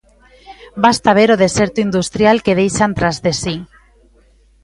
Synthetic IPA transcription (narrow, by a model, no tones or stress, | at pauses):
bast̪aβ̞eɾoð̞eseɾt̪uind̪ust̪ɾjalkeð̞ejʃant̪ɾazðesi